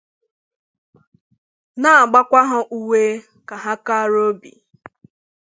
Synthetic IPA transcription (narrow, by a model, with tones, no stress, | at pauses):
na˦a˨ɡ͡ba˦kʷa˦ɦʊ˦ʔu˦we˦ | ka˨ɦa˦ka˦ɾo˦bḭ˨